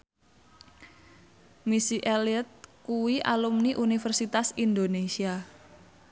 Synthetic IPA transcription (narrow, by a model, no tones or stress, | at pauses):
misiʔeliət̪̚kuwiʔa̰lumniʔunifərsit̪asind̪onesia